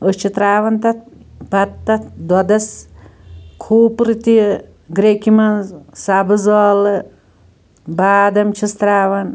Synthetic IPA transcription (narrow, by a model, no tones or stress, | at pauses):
əst͡ʃʰit̪ɾaːʋɐnt̪ɐt̪̚bɐt̪ːɐt̪d̪wɐd̪ɐs | kʰuːpɾɨt̪i | ɡɾekimɐnzsabɨzɐːlɨ | baːd̪ɐmt͡ʃʰist̪ɾaːʋɐn